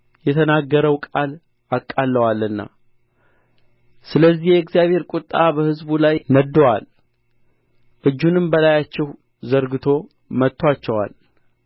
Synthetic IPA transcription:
jɛt̪ʰənaɡːəɾəwkʼal | akʼːalːəwalːɨnːa̰ | sɨləzːihjɛɪkzijaβheɾkʷʼut̪ʼːabəhɨzbulajnəd̪ːowal | ʔɨd͡ʒːunɨmbəlajat͡ʃːɛh | zəɾɡɨt̪ʰo̞ | mət̪ːowat͡ʃːɛwa̰l

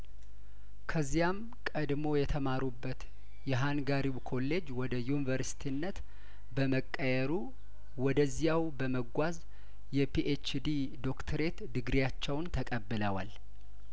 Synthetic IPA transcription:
kʰəzːijam | kʼəd̪mo̞jɛt̪ʰəmaɾubːət̪ | jɛɦanɡaɾiwkʰo̞lːe̞d͡ʒwɔd̪əjunivəɾsi̥t̪ʰinːət̪ | bəməkʼːəjɛɾu | wɔd̪əzːijawbəməɡʷaz | jɛpʰiʔet͡ʃd̪i | d̪o̞kt̪ʰəɾe̞t̪d̪ɨɡɾijat͡ʃːɛwnt̪ʰəkʼəbːɨləwa̰l

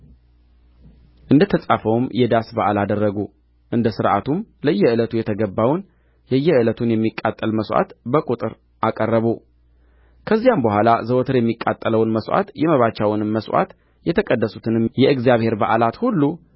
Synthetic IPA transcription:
ʔɨnd̪ət̪ʰəsʼafəwmjɛd̪asbaʔalad̪ərːəɡu | ʔɨnd̪əsɨɾʔa̰t̪ʰumləjːɛɨlət̪ʰujɛt̪ʰəɡəbːawn | jɛjːɛɨlət̪ʰunjɛmːikʼːat̪ʼːəlməswʷʔa̰t̪bəkʼut̪ʼɨɾ | ʔakʼərːəβu | kʰəzːijambəhʷalazəwɔt̪ʰɨɾjɛmːikʼa̰t̪ʼːələwnməswʷʔa̰t̪jɛməβat͡ʃːawʊnɨmːəswa̰t̪ | jɛt̪ʰəkʼəd̪ːəsut̪ʰɨnɨmjɛʔɨɡzjaβhe̞ɾbaʔalat̪hulːu

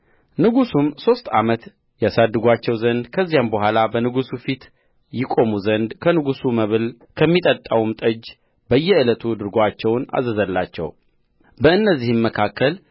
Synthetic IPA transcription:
nɨɡusumso̞st̪ʼa̰mət̪ | jasad̪ːɨɡʷat͡ʃːɛwzənd̪kʰəzːijambəhʷalabənɨɡusufit̪ | jɪkʼo̞muzənd̪kʰənɨɡusuməβɨl | kʰəmːit̪ʼət̪ʼːawumt̪ʼəd͡ʒ | bəjːɛɨlət̪ʰud̪ɨɾɡoat͡ʃːɛwna̰zəzəlːat͡ʃːɛ̰w | bəɨnːəzːihɨmːəkʰakʰːəl

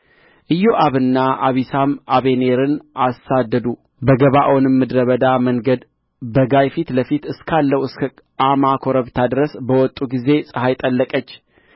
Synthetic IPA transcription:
ʔɨjːoʔaβɨnːaaβisamaβe̞ne̞ɾɨnʔasːad̪ːəd̪u | bəɡəβaʔonmːɨd̪ɾəβəd̪aməŋɡəd̪ | bəɡajfit̪ləfit̪ɨskʰalːəwɨsk | amakʰo̞ɾəβt̪ʰad̪ɾəsbəwɔt̪ʼːuɡize̞sʼɨhajt̪ʼəlːəkʼət͡ʃː

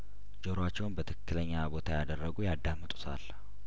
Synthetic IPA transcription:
d͡ʒo̞ɾat͡ʃːɛwnbət̪ʰɨkːɨləɲːabo̞t̪ʰajad̪ərːəɡujad̪ːamːɨt̪ʼu̥sʰa̰l

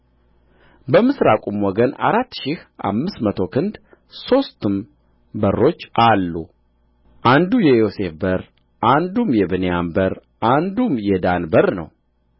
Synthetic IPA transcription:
bəmɨsɾakʼumwɔɡəna̰ɾat̪ːʃɪhʔa̰mːɨsmət̪ʰo̞kʰɨnd̪ | so̞st̪ɨm | bərːo̞t͡ʃːʔalːu | ʔand̪ujɛjo̞se̞fbəɾ | ʔand̪umjɛbɨnejambəɾ | ʔand̪umjɛd̪anbəɾnə̰w

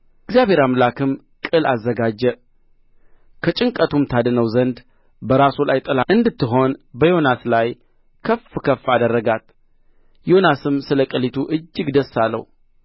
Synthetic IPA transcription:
ɪɡzijaβʱe̞ɾamlakɨm | kʼɨla̰zːəɡad͡ʒːɛ | kʰət͡ʃʼɨŋkʼət̪ʰumt̪ʰad̪ɨnəwzənd̪ | bəɾasulajt̪ʼəlaɨnd̪ɨt̪ːɨɦo̞nbəjo̞naslaj | kʰəfkʰəfːad̪ərːəɡat̪ | jonasɨmsɨləkʼəlit̪ʰuʔɨd͡ʒːɨɡd̪əsːalːə̰hu

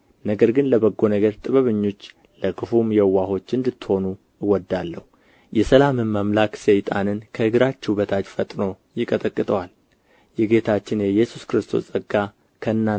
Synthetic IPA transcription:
nəɡəɾɡɨnləβəɡːo̞nəɡəɾt̪ʼɨβəβɨɲːo̞t͡ʃː | ləkʰɨfumjɛwːaɦo̞t͡ʃːɨnd̪ɨt̪ːɨho̞nu | ɨwɔd̪ːalːəhu | jɛsəlamɨnməmlaksəjt̪ʼa̰nɨnkʰəɨɡɾat͡ʃːɛbət̪ʰat͡ʃfət̪ʼno̞ | jɪkʼət̪ʼəkʼːɨt̪ʼəwal | jɛɡe̞t̪ʰat͡ʃːɪnjɛjɛsuskɨɾɨst̪ʰo̞̰sʼəɡːa | kʰəɨnːa

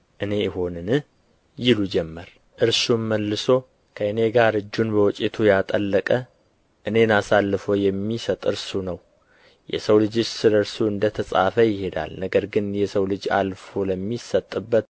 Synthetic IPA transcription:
ʔɨne̞jɪɦo̞nɨnɨ | jɪlud͡ʒɛmːəɾ | ʔɨɾsunməlːɨso̞ | kʰəɨne̞ɡaɾɨd͡ʒːunbəwɔt͡ʃʼet̪ʰujat̪ʼəlːəkʼə | ʔɨne̞nasalːɨfojɛmːisət̪ʼɨɾsunəw | jɛ̰səwlɨd͡ʒot͡ʃːsɨləɨɾsuɨnd̪ət̪ʰəsʼa̰fəjɪhe̞d̪a̰lnəɡəɾɡɨnjɛsəwlɨd͡ʒa̰lfoləmːisət̪ʼːɨbːət̪

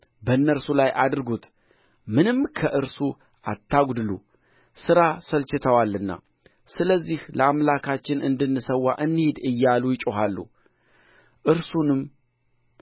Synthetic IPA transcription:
bənːəɾsulajʔad̪ɨɾɡut̪ | mɨnɨmkʰəʔɨɾsu | ʔat̪ʰːaɡd̪ɨlṵ | sɨɾasəlt͡ʃɪt̪ʰəwalːɨnːa̰ | sɨləzːihləamlakʰat͡ʃːɪnɨnd̪ɨnːɨsəwːaʔɨnːɨhed̪ɨjːalujɪt͡ʃʼohalːṵ | ʔɨɾsunɨm

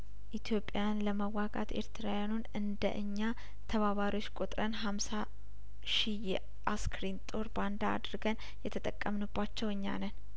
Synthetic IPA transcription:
ʔit̪ʰjo̞pʼjajanləməwːaɡa̰t̪ʰe̞̰ɾt̪ʰɨɾawjanunɨnd̪ə̰ʔɨɲːa | t̪ʰəβaβaɾiwo̞t͡ʃːkʼut̪ʼɾənɦamsa | ʃijɛ | ʔaskɾint̪ʼo̞ɾband̪a̰ːd̪ɾɨɡən | jɛt̪ʰət̪ʼəkʼːəmnubːat͡ʃːɛwɨɲːa̰nən

